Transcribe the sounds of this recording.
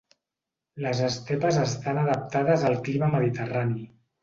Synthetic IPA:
ləzəst̪ɛpəzəst̪anəðəp̚t̪að̞əzəlˠkliməməð̞it̪ərani

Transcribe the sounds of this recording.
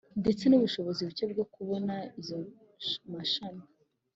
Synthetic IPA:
nde̞t͡se̞nuβuʃo̞βo̞ziβut͡ʃeb̚ɡo̞kuβo̞naizo | maʃana

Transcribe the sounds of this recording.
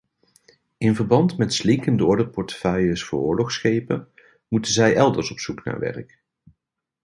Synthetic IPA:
ɪnvəɹbɑntmɛtslɪŋkəndəɔɹdəpɔɹtə̥fœjəsfʊːɹʊːɹlɔχsχejpə | mutənzɛjʔɛlˠdəɹsɔpsukna̰ːɹʋɛ̰ɹk

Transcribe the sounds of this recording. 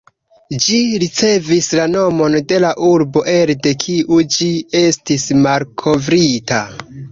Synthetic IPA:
d͡ʒiɾit͡se̞vislano̞mo̞nde̞laʔuɾbo̞ʔe̞lde̞kʰiʔud͡ʒie̞stismalkʰo̞vɾita

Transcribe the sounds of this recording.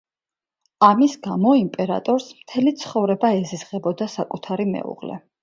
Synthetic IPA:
amisɡamɔimpʼɛɾa̰t̪ʼɔɾsmt̪ʰɛlit̪sʰχɔvɾɛbaɛzizʁɛbɔd̪asakʼut̪ʰaɾimɛ̰ṵʁlɛ̰

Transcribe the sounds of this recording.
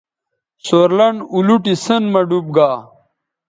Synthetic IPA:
soɾlɐɳuluʈisənmɐɖub̚ɡaː

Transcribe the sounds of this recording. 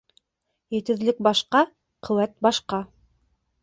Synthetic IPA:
jɘ̆t̪ɘ̆ðlɘk̚bɑʃqɑ | qʰɵ̆wæt̪̚bɑʃqɑ

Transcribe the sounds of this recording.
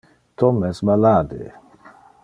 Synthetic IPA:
t̪omesbalaːd̪ḛ

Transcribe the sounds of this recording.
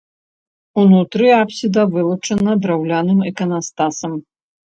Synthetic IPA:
unut̪ɾɨapsʲid̪ɐvɨlˠut͡ʂɐnɐd̪ɾawlʲanɨmikɐnast̪asɐm

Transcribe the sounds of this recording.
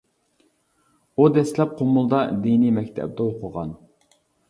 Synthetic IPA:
ud̪ɛslɛp̚qʰomːʊlˠd̪ɑd̪inimɛkʲt̪ʰɛ̰b̚d̪ɛoqʰəʁɑ̰n

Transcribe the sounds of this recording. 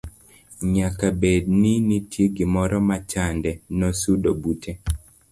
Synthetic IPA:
ɲakabedninitʰjeɡɪmɔɾɔmat͡ʃandɛnɔsudobutʰe

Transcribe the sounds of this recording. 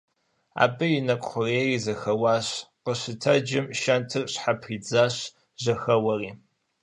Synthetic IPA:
a̰ːbɨjɪnɐkʷʼχʷʊreːrizɐxɐwaːɕqəɕɪtʰɐd͡ʒɪmʃɐntʰɨrɕħapʰiːd͡zaːɕ | ʒɐxɐwɐriː

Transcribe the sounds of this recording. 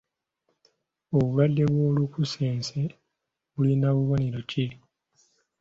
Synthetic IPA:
oβuβadːe̞βwo̞ːlukuse̞ːnse | βulinaβuβo̞neɾo̞ce

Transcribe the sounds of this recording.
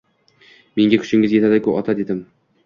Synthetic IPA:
me̞ŋɡʲakʲʰʊ̥ʃɪŋʲɪzje̞t̪ʰad̪ɪkʰʲʊɒt̪ʰad̪e̞d̪ɪm

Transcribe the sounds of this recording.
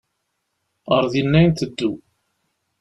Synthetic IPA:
əɾˤðjənːæjnt̪əd̪ːu

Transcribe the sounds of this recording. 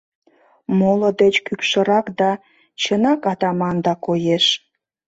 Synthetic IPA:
moləd̪et͡ɕkykʃə̆ɾɑkd̪ɑ | t͡ɕənɑkɑt̪ɑmɑnd̪ɑkojeʃ

